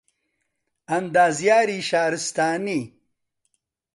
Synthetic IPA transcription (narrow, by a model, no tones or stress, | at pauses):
ɐnd̪aːzjaːɾiːɕaːɾist̪aːni